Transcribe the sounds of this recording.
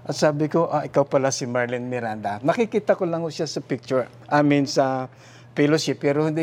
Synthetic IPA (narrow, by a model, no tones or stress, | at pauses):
ʔɐt̪saːbɪkoʔaʔɪkawpɐlasɪmaɹlɪnmɪɾand̪anɐkɪkiːt̪ɐkolaŋʊʃjasɐpɪk̚t͡ʃʊɹ | ʔamɪnsɐ | filosɪpɛɾohɪnd̪ɪ